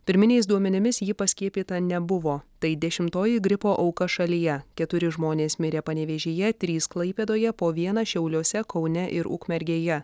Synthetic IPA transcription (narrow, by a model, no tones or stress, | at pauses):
pʲɪɾʲmʲɪnʲɛɪsd̪uɔmʲɛnʲɪmʲɪsjiːpɐsʲkʲiɛpʲiːt̪ɐnʲɛbʊʋoːt̪ɐɪd̪ʲɛʃʲɪmt̪oːjɪɡɾʲɪpoːʔɒʊkɐʃɐlʲɪjɛkʲɛt̪ʊɾʲɪʒmoːnʲeːsmʲɪɾʲeːpɐnʲɛʋʲeːʒʲeːjɛt̪ʲɾʲiːsklˠɐɪpʲeːd̪oːjɛpoːʋʲiɛnɐʃʲɛʊlʲuːsʲɛkɒʊnʲɛʔɪɾʊ̰kmʲɛɾʲɡʲeːjɛ